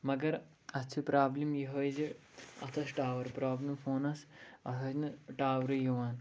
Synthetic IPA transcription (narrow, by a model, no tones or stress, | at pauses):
mɐɡɐɾ | ɐt͡ʃʰipɾaːblimjiɦɐjzi | ɐ̰t̪ʰɐsʈaːʋɐɾpɾaːblimfoːnɐsɐt̪ʰɐsnɨʈaːʋɾɨjiʋaːn